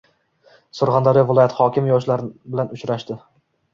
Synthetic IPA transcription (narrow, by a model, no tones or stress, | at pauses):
sʊɾχɑnd̪ɒɾɪvɪlˠɒjat̪hɒkʲɪmjɒʃlaɾbɪlanʊt͡ʃɾaʃd̪ɪ